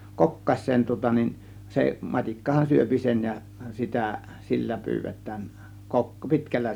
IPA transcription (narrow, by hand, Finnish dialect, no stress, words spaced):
kokːɑs̆ʲseːn tŭŏtɑ nin se mɑtʲikːɑhɑn syøpi sen jɑ sitæ silːæ pyːʋetˑæːn kok pi̞tkælːæ